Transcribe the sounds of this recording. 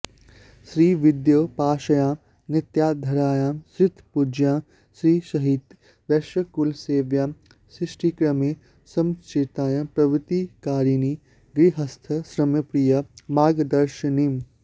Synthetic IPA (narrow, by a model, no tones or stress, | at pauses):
ʃɾiːʋɪd̪joːpaːʃɐjãː | nɪt̪jaːd̪ʱɐɾaːjãːmsɾɪt̪ʰpud͡ʒjãː | sɾiːʃɐɦit̪ | ʋɛʃəkulseːʋjãː | sɾɪʃʈʰikɾɐmeː | sɐmt͡ʃet̪ãːjɐ̃pɾɐʋɪt̪ikaːɾini | ɡɾiɦɐst̪ʰɐsɾɐmjɐpɾijɐmaːɡd̪ɐɾʃnim